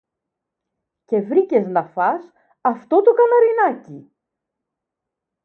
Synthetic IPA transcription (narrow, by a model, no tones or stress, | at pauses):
ce̞vɾice̞znɐfɐs | ɐft̪o̞t̪okɐnɐɾinɐci